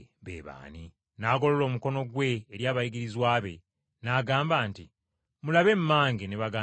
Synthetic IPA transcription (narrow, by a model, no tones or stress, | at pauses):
βḛːβa̰ːni | naːɡo̞lo̞lo̞ːmuko̞no̞ɡwe̞ːɾjaːβajiɡiɾizwaːβe̞̰ | naɡaːmbaːnti | mulaβe̞mːaːŋɡeneβaɡaː